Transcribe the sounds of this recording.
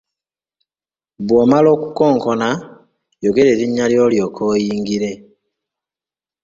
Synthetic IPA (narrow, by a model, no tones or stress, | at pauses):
βwoːmalo̞ːkukoːŋkona | joɡe̞ɾeːɾiɲːaljo̞ːljo̞ːkʰoːjiːŋɡiɾe̞